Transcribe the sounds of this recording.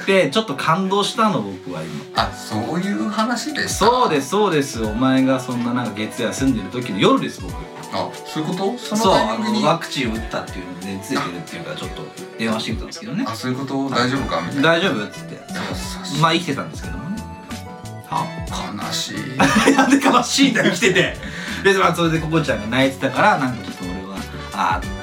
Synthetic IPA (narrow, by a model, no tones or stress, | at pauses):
t̪e̞t͡ɕo̞t̪ːo̞kʰãnd̪o̞ːɕi̥t̪ano̞bo̞kɯ̟βa̰ḭma̰soːjɯːhanaɕid̪essoːd̪e̞sɨ̥so̞ːd̪e̞sɨomaeɡasõ̞nːanãŋkaɡe̞t͡sɨasɨ̃nd̪e̞ɾɯ̟t̪o̞kʲinojo̞ɾɯ̟d̪e̞sɨbo̞kɯ̟ | a̰soːjɯ̟kot̪osonsoːaoβakɯ̟̥t͡ɕiɯ̟t̪ːat̪ːe̞jɯ̟nod̪et͡sɨet̪e̞ɾɯ̟t̪ːejɯ̟kat͡ɕo̞t̪ːo̞̰ | d̪̥ẽ̞ãaɕit̪ikɯt̪ã̰nd̪sɨ̥ked̪o̞neasoːjɯkot̪od̪aiʑobɯkad̪aiʑo̞ːbɯ̟t̪ːɨ̥t̪ːe̞ | maikʲi̥t̪e̞t̪ãnd̪e̞sɨ̥ke̞d̪o | kʰana̰ɕḭjãnd̪ekanaɕiːt̪ekʲi̥t̪e̞t̪e̞besmaso̞ɾe̞d̪e̞ko̞ko̞t͡ɕãŋɡanait̪e̥t̪akaɾanãŋkat͡ɕot̪ːomoɾoɡa | a̰